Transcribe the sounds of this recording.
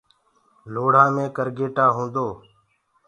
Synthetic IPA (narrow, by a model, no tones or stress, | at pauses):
loːɽ̤ãːmẽːkəɾɡeːʈaːɦũːnd̪oː